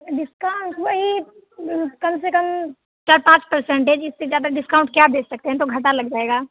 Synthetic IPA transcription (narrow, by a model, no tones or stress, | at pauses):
ɖɪskaʊɳʈʋɐɦi | kɐmsekəm | t͡ʃaːɾpãːt͡ʃpɐɾsɛ̃ɳʈɛ̃d͡ʒɪsːezjaːd̪aɖɪskaʊɳʈkjaːp̚d̪eːksɐk̚t̪eɦɛ̃t̪oɡʱɐʈalɐɡd͡ʒaːeːɡaː